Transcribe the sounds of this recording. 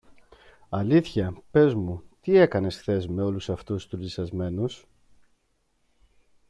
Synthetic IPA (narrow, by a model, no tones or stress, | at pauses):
ɐliθçɐpe̞zmut̪ie̞kɐne̞sθe̞zme̞o̞lusɐft̪ust̪ulisɐzme̞nus